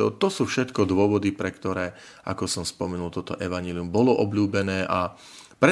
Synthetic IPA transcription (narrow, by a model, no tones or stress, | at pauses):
ɔt̪ɔsuːfʃɛt̪kɔd̪ʊɔʋɔd̪ipɾɛkt̪ɔɾɛː | ʔa̰kɔsɔmspɔmɛnult̪ɔt̪ɔ̰ʔɛʋaɲɛliumbɔlɔʔɔbʎuːbɛnɛːʔa | pɾɛ